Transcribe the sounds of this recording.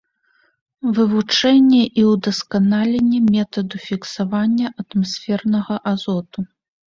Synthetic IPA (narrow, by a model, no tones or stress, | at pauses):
vɨvut͡ʂɛnʲːɛʔiwd̪ɐskanalʲɛnʲːɛmʲɛt̪ɐd̪ufʲiksavanʲːɐʔɐt̪masʲfʲɛrnɐɣɐʔazɔt̪u